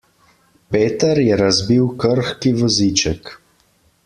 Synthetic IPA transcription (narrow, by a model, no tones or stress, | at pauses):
peːt̪əɾjɛɾazbiwkəɾxkiʋɔzit͡ʃɛk